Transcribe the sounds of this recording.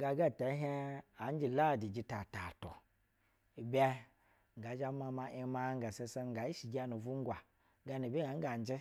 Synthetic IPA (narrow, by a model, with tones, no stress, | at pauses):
ɡa˨ɡa˦˨ta˨˦ɦe˦a˨˦n˦d͡ʒi˨la˦˨di˨d͡ʒi˨ta˨ta˨to˨ | bɛ˦ | ŋ̩˨ɡa˨˦d͡ʒa˦ma˧ma˧ʔi˧ma˦ŋ˦ɡa˨se˧sa˦ŋ˨ɡa˨i˦ʃi˨ɡʲa˦nu˨vu˦ŋ˦ɡwa˨˦ | ɡa˨˦nu˨bi˦a˨˦ŋ˦ɡa˨n˨˦d͡ʒi˦